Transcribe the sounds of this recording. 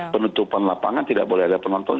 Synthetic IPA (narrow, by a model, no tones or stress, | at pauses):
pənut̪upanlapa̰ŋant̪ida̰ʔ̚bolɛhadapənɔnt̪ɔn